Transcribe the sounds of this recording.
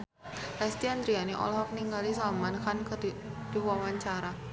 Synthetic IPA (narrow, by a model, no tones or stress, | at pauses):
ɛst̪iand̪ɾianiʔɔ̰lɔɦɔk̚niŋɡalisalmankankəd̥iwamaɲt͡ʃaɾa